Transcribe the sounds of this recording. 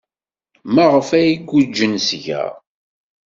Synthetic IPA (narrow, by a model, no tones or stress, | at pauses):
maʁəfæjiɡːud͡ʒːənsʝæ̰